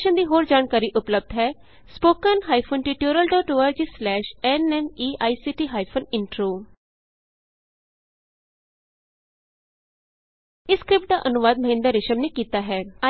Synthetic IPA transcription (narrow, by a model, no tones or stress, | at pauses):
ʃənd̪iːɦoːɾd͡ʒaːnkaːɾiːʔʊpləb̚d̪ɦɛː | spoːkənɦaːipʰonʈiːʈjoːɾəlɖɔːʈoːaːɾd͡ʒiːslɛːʃɛːnɛmiːʔaːisiːʈiːɦaːipʰonɪɳʈɾoː | ɪskɾɪp̚ʈ̚d̪aːʔənʊʋaːd̪̚məɦɪ̃nd̪əɾːɪʃəmneːkiːt̪aːɦɛːa